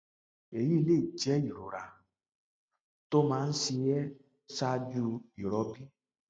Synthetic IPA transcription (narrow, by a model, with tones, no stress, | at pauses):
e˨ji˦le˦˨d͡ʒɛ˦i˨ɾo̰˨ɾa˨ | to˦mã˦n̩˦si˧jɛ˦ | sa˧d͡ʒu˧i˨ɾɔ˨˦bi˦